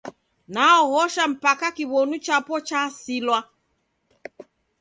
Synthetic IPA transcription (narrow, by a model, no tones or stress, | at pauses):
naɔhɔʃam̩pakakiβɔnut͡ʃapɔt͡ʃasilwa